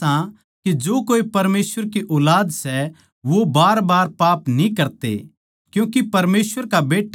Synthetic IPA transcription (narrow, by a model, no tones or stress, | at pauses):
ã | kid͡ʒoːkoːipɐɾmeːsəɾkiʔɔːlaːd̪sɛ | ʋobaːɾbaːɾpaːpnĩkɐɾt̪ḛ | kjũːkipɐɾmeːsʋəɾkabeːʈː